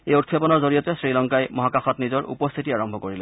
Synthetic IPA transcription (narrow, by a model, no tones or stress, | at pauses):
ejut̚kʰepɔnɔɹzoɹijɔtɛsɹilɔŋkajmɔɦakaxɔtnizɔɹṵpɔst̪ʰitiaɹɔmbʱɔkoɹilɛ